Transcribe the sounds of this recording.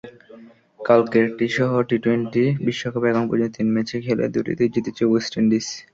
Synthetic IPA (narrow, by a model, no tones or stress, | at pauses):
kalkeʈiʃɔɦoʈiʈweɳʈibiʃːokʰobɛɡoŋpɾo̰d͡ʑont̪ot̪inmet͡ɕʰekʰelḛd̪uʈḭd̪id͡ʑit̪it͡ɕowesʈeɳɖis